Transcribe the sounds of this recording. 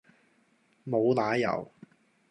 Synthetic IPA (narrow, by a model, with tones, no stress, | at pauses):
mo˨˧wlaː˨˥jɐ̰˨˩w